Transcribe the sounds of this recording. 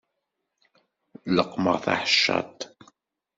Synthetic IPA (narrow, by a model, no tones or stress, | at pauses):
ləqmə̰ʁθa̰ħəʃːɑ̰t̪